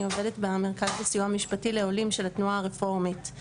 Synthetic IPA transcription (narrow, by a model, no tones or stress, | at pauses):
iovedetbeameʁkaztasijuamiʃpatile̞olimʃe̞latnuaːʁefo̞ʁmit